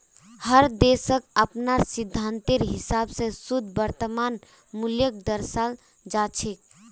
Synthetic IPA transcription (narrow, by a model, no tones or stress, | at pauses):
həɾd̪esəkəpnaɾsid̪ʱːant̪iɾɦisabsẽsud̪ʱbəɾt̪əman | muljək̚d̪əɾsal | d͡ʒat͡ʃʰek̚